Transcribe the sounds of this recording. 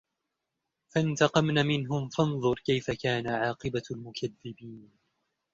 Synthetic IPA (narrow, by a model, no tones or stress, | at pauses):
fant̪ɑqɑmnamɪnɦʊmfɑnðˤʊɾˤkajfakaːnaʕɑːqɨbalmʊkʰaðːɪbiːn